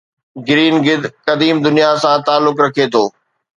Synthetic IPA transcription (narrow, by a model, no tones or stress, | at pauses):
ɡɪɾiːnɡɪd̪kɐd̪iːmd̪ʊnijasãt̪aːlːʊkɾɐkʰet̪ʰoː